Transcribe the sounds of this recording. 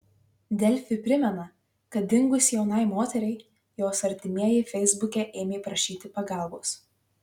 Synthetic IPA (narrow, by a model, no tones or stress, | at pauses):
d̪ʲɛlʲfʲɪpʲɾʲɪmʲɛnɐ | kɐt̪̚d̪ʲɪŋɡʊsʲjɛʊnɐɪmoːt̪ʲɛɾʲɛɪ | joːsɐɾʲt̪ʲɪmʲiɛjɛɪfʲɛɪzbʊkʲɛʔeːmʲeːpɾɐʃʲiːt̪ʲɪpɐɡɑˑlˠboːs